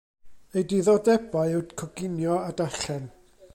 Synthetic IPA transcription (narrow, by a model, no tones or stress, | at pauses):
ejdiðɔdɛbaɨɨwdkʰɔɡɪnjɔadaɬɛn